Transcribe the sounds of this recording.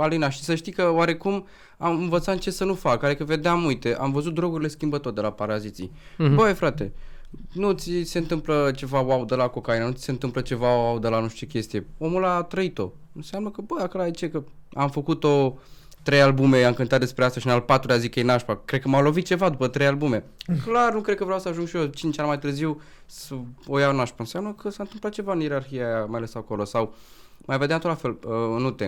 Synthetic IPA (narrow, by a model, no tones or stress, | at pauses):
alinaʃi̥səʃt̪ijkəwaɾe̞kum | amɨnvət̪sat̪nt͡ʃe̞sənufakaɾekəve̞d̪eamujt̪e̞ʔa̰mvəzut̪̚d̪ɾo̞ɡuɾile̞skʲimbət̪o̞rd̪e̞lapaɾazit̪sḭ | bəefɾat̪e̞̰ | nut̪sise̞ɨnt̪ɨmplət͡ʃe̞vawawd̪əlako̞kainanut̪i̥se̞nt̪ɨmplət͡ʃe̞vawaud̪əlanuʃt͡ʃ̪ekʲe̞st̪ije̞o̞mulat̪ɾəit̪o̞̰ | ɨnsejamləkəbəakolaet͡ʃe̞kəamfəkut̪o̞ | t̪ɾe̞jalbume̞amkɨnt̪at̪̚d̪e̞spɾeast̪aʃinalpat̪ɾulʲazikəjenaʃpakɾed̪̚kəmawlo̞vit̪̚t͡ʃe̞vad̪upət̪ɾejalbume̞klarnukɾed̪̚kəvɾeawsəaʒuŋɡʃiot͡ʃint͡ʃanmajt̪ɨrziw | səojaonaʃpaɨnsejamnəkʰəsaɨnt̪ɨmplat̪̚t͡ʃe̞vaɨnjeɾarxiajamajale̞sako̞lo̞saw | majved̪eant̪ot̪lafeləɨnut̪e